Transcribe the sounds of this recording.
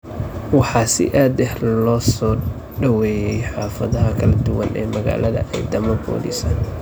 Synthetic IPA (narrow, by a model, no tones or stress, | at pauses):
wɑħɑːsɪ̰ʔaːd̪ɛħlɔːsɔː | ɖɐwɛːjɛjħɑːfɐðɐɦɐkʰɐlɐd̪ʊwɐnʔɛ̰ːmɐɣa̰ːlɐðɐ̰ʔɛjd̪ɐmɐbɔ̰ːlḭsɐn